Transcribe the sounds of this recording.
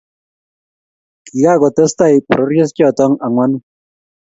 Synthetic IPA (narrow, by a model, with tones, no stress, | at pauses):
ki˨ka˦˨kɔ˨tɔ˦sta˦˨jpɾɔ˦rje˦skjɔ˨tɔ˦ŋa˨ŋwa˦n˦